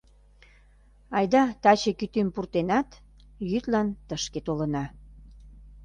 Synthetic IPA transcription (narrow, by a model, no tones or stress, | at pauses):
ɑjd̪ɑt̪ɑt͡ɕekyt̪ympurt̪enɑt̪ | jyt̪lɑnt̪əʃket̪olə̆nɑ